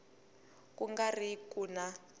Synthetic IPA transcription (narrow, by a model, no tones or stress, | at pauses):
kuŋɡarikuna